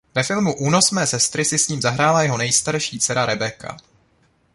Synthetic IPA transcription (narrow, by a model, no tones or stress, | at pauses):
vɛfɪlmuʔuːno̞smɛːsɛst̪ɾɪsɪsɲiːmzaɦɾaːlajɛɦo̞nɛjst̪aɾʃiːt͡sɛɾaɾɛbɛkʰa̰